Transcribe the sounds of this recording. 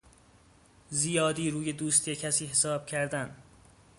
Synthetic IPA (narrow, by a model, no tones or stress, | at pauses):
zijɒːd̪iːɾuːje̞d̪uːst̪ʰijecʰæsiːɦesɒːb̥cʰæɾd̪æn